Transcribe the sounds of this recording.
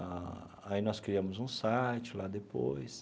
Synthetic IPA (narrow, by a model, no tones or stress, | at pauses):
a | ainɔskɾiɐ̃mʊzũsajt͡ʃɪlad̪epojs